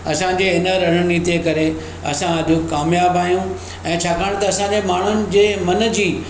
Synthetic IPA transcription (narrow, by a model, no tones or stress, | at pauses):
ɐsãd͡ʑeɦɪnəɾɐɦɽniːt̪iekɐɾe | ɐ̰sãɐɗũkaːmjaːbaːjũ | ɛ̃ːt͡ɕʰaːkaːɽ̃t̪ɐɐsãɲd͡ʑemaːɳ̤ʊnɪ̆d͡ʑeːmɐnə̆d͡ʑiː